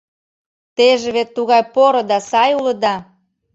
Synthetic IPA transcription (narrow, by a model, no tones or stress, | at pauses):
t̪eʒeβet̪ːuɣɑjpoɾŏd̪ɑsɑjulɤ̆d̪ɑ